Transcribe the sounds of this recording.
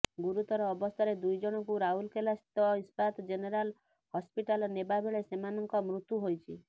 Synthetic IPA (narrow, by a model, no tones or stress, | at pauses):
ɡuɾut̪ɔɾɔːbɔst̪ʰaɾed̪ujd͡ʒɔɽ̃ɔkuɾaɦulkelasi̥t̪ɔispat̪d͡ʒeneɾal | hɔspiʈalɔnebabʱeɭesemanɔŋkɔmɾut̪uɦojt͡ʃʰi